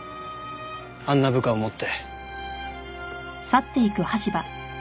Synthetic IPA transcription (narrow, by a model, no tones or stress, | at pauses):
ãnːabɯ̟kaomot̪ːe̞ | sat̪ːe̞ikɯ̟haɕiba